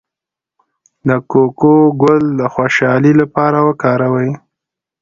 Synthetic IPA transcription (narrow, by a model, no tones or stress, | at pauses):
d̪əkokoɡʊld̪əxwoʃɑlilapɑɾawəkɑɾawəj